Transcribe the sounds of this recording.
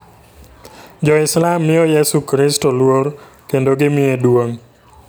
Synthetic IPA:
d͡ʒɔɪslamːɪɔjesukɾɪstolwoɾ | kendoɡɪmɪedwoŋ

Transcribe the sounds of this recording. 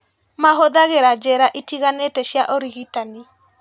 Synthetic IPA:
maɦoðaɣeɾad͡ʒɛɾaʔitiɣanetɛɕjaʔoɾiɣitani

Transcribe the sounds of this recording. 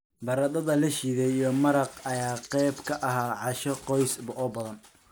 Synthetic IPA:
bɐɾɐd̪ɐðɐlɐʃiːðɛjɔmɐɾɑqɐjaːqɛjbkʰɐʔɐɦaːʕɑʃɔqɔjsbɐʔɔbɐðɐn

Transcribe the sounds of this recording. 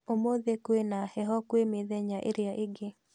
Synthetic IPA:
omoðekwenahɛɦɔkwemeðeɲaʔḛɾjaʔɪɡɪ

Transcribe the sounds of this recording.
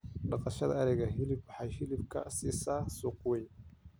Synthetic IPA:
ɖɑqɑʃɐðɐɐɾɛɣɐɦɪlɪbwħɑjhɪlɪbkʰɐ̰siːsaːsuːqwɛj

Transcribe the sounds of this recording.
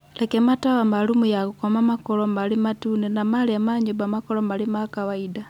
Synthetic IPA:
lekemataβamalumujakukomamakolomalimatuːnenamaliamaɲubamakolomalimakawaida

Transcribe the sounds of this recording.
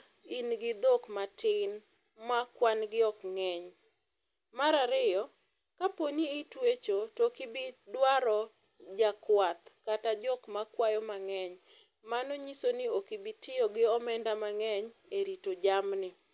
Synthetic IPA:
inɡɪd̪okmatɪn | makwanɡɪɔkŋɛɲ | maɾaɾɪjɔ | kapoɲiːtwet͡ʃotokibidwaɾɔ | d͡ʒakwat̪katad͡ʒɔkmakwajɔmaŋɛɲ | manɔɲisonɪokibitɪjɔɡɪɔmɛndamaŋɛɲ | eɾitod͡ʒamnɪ

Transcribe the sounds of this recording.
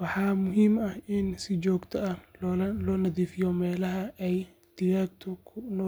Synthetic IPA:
wɑħɑːmʊɦiːmɐhɪnsɪt͡ʃɔːɡt̪ʰɐɐlɔːnɐðiːfɪjɔmɛːlɐɦɐɛj | d̪̥ɪɾaːɡ̚t̪ʰʊkʰʊnɔ

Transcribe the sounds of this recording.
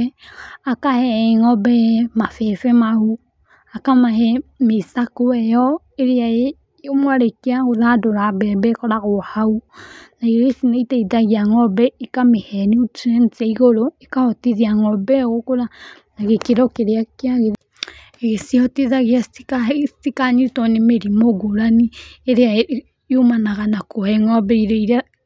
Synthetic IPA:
akahɛŋɔbɛmafɛfɛmahu | akamaɦɛmesakoɛjɔ | eɾeae | omwaɾekeaɣoðadoɾabɛbɛkɔɾaɣohaunaiɾesineitɛiðaɣiaŋɔbɛekamehɛniotɛntaiɣoɾoekahɔteðjaŋɔbɛɣokoða | naɣekeɾɔkeɾeakeaɣe | ɣeseɔteðaɣeaikatikaɲetɔnemeɾimoɡoɾanieɾea | jomanaɣanakʰohɛŋɔbɛiɾeiɾa

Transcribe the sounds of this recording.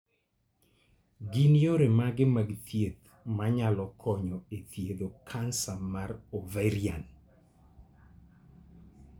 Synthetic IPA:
ɡinjoɾemaɡɪmaɡt̪jed̪ | maɲalɔkʰɔɲɔet̪jed̪okʰansamaɾoveɾian

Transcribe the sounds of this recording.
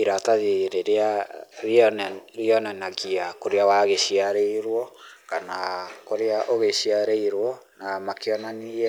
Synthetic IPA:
iɾataðeɾeɾeaɾinɾiɔnɛnaɣiakoɾeawaɣeɕiaɾeiɾwɔkanakoɾeaʔoɣeɕiaɾeiɾwɔnamakeɔnaniɛ

